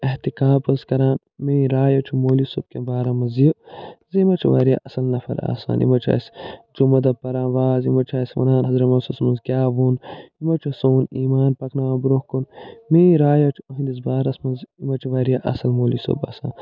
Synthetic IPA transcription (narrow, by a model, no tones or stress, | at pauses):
ɐht̪ikaːpɐzkɐɾaːn | meːɾaːjɐt͡ʃʰumoːlisob̚kẽbaːɾɐmɐzijozimɐt͡ʃʰuʋaːɾija̰ʔɐsɐlnɐfɐ̰ɾa̰ːsa̰ːnʔḭmɐt͡ʃʰa̰ːsd͡ʒumɐd̪ɐpɐɾaːnʋaːzimɐt͡ʃʰaːsʲʋɐ̰naːnɦɐzɾɐmɐsɐsmɐnzɡʲaːʋoːnimɐt͡ʃʰusoːniːmaːnpɐknaːbɾohkonmeːɾaːjɐt͡ʃʰuoɦĩnd̪izbaːɾɐsmɐnzimɐt͡ʃʰuʋɐɾijaʔɐ̰sɐlmoːliso̰ba̰ːsa̰ːn